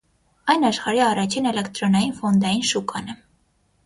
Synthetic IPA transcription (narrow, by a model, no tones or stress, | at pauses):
ɑjnɑʃχɑɾiɑrɑt͡ʃʰinɛlɛkt̪ɾɔnɑjinfɔnd̪ɑjinʃukɑnɛ